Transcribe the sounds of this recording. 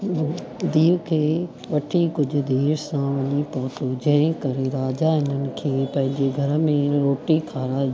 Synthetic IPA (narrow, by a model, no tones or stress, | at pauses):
d̪iːkʰeː | ʋɐʈʰikʊd͡ʑʱʊ̆d̪eːɾsãʋɐɲipɔːt̪od͡ʑɐ̃ɦẽkɐɾeɾaːd͡ʑaɪnənɪ̆kʰeːpɐ̃ɦɪ̃ɲd͡ʑeɡʱɐɾə̆mẽɾoːʈikʰaːɾa